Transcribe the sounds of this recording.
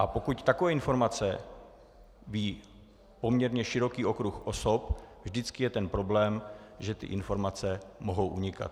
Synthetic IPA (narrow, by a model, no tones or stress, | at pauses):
ʔapo̞kuct̪akovɛːɪnfo̞ɾmat͡sɛ | viː | po̞mɲɛɾɲɛʃɪɾo̞kiːʔo̞kɾuxʔo̞so̞pvʒdɪt͡skɪjɛt̪ɛnpɾo̞blɛːmʒɛt̪ɪ̰ʔɪnfo̞ɾmat͡sɛmo̞ɦo̞wʔuɲɪka̰t̪